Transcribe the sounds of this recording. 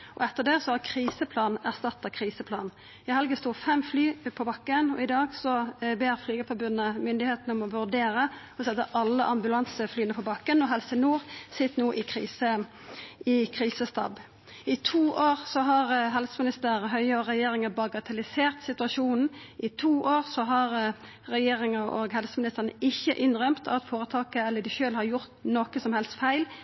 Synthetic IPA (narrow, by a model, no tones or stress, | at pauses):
ʔɔ̰ɛt̪ːəd̪ɛːsɔhɑkʰɾiːsəpʰlɑːnæʁst̪ɑt̪ːɑkʰʁiːsəpʰlɑ̰ːn | ɪhɛlɡəst̪uːfɛmflyːpʰɔbɑkːənɔ̰ɪd̪ɑːɡsɔbeːʁflyːɡəfɔbʉnːəmʏnd̪ɪheːt̪nɔmɔʋʉʁd̪eːɾə | ɔsɛd̪əʔɑlːəʔɑmbʉlɑnsəflyːənəpʰɔbɑkːənɔɦɛlsənuːʁsɪt̪ːnuːʔɪkʰʁḭːsə | ɪkʰʁiːsəst̪ɑ̰b | ɪt̪ʰuːʔoːʁsɔɦɑʁɦɛlsəmɪnɪst̪əʁɦœʏəɔʁɛjeːɾɪŋɑbɑɡɑt̪ʰɑlɪseːʁt̪sɪt̪ʉɑʃuːnn̩ | ʔɪt̪ʰuːʔoːʁsɔɦɑʁ | ʁɛjeːʁɪŋəʔo̰ːɡhɛlsəmɪnɪst̪əʁənəʔɪçːəʔɪnʁœmt̪ʰɑt̪foːɾət̪ʰɑːkəɛlːədɪʃøːlhɑɾjʊɾt̪nɔkəsɔmhɛlst̪fæɪl